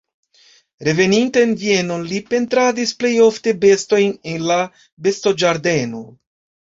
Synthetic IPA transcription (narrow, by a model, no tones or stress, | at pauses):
ɾe̞ve̞nintenvie̞no̞nlipe̞ntɾadisple̞jo̞fte̞be̞sto̞jnenla | be̞sto̞d͡ʒaɾde̞no